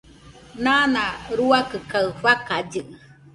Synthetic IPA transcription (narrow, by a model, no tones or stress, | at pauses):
nanãɾuakɨkaɨɸakad͡ʒɨ